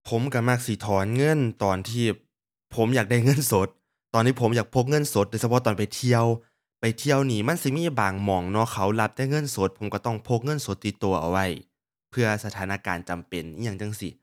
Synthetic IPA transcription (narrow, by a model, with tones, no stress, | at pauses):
pʰo˨˦mka˧˩ma˧˩k̚si˧˦t̪ʰɔː˨˦nŋɤ˧˥˨nt̪ɔː˨nt̪ʰiː˧˩ | pʰo˨˦mjaː˨˩k̚da˧˥˩jŋɤ˧˥˨nso˨˦t̪̚ː | ɔː˨nʰiː˧˩pʰo˩˦mjaː˨˩k̚pʰo˧˩k̚ŋɤ˧˥˨nso˨˦t̪̚do˧˦sa˧pʰt̪ɔː˨npa˨jt̪ʰi˧əw | pa˨˩jt̪ʰi˧˥˩əwniː˧˩ma˧˥˨nsɯ˧˦miː˧˥˨baː˨˩ŋmɔː˨˩ŋnɔ˧˥kʰa˧˦wla˧˥p̚taː˧˨jŋɤ˧˥˨nso˧˦t̪̚pʰo˨˦mka˧˩t̪ɔ˧˩ŋpʰo˧˩k̚ŋɤ˧˥˨nso˨˦t̪ːi˧˦t̪ːu˨˩ɐʔa̰˨˩wa˧˥˩j | pʰɯ˧˩ɐsa˧t̪ʰaː˨˦naː˧˨kaː˨˩nt͡ɕa˨˩mpe˨˩ni˧˨ja˧˩ŋt͡ɕa˧˨ŋsi˧˦